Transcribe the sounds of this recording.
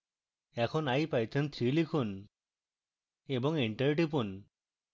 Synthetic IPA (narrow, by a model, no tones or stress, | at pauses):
ɛkʰɔnajpajt̪ʰent̪ʰɾilikʰun | ebɔŋiɳʈəɾʈip̬un